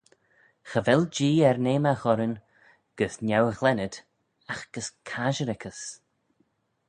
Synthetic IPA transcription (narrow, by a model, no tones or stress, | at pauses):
xəvɛld͡ʒiːɛɾneːmaɣɔɾən | ɡ̥əsnjawəɣlɛnəd̪ | axɡ̥əskʰaʒəɾɛkʰəs